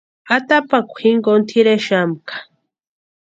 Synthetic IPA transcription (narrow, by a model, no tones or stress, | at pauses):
at̪apakʷʰiŋɡont̪ʰiɾeʃamkḁ